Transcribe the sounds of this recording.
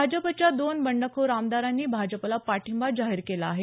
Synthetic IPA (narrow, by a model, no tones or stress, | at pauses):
ad͡ʑəpət͡ɕjad̪onbəɳɖəkʰoɾamd̪aɾanːiːbʱad͡ʑəplapaʈʰimbad͡zaɦiɾkelaːɦe